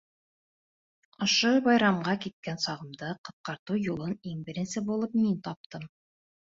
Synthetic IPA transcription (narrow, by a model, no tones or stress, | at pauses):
ŏʃoβɑjɾɑmɢɑkit̪̚kænsɑʁɤ̆md̪ɤqɤ̆t̪̚qɑɾt̪ujulˠɤniŋbɘ̆ɾɘ̆nsɘbulˠɤp̚mint̪ɑp̚t̪ɤm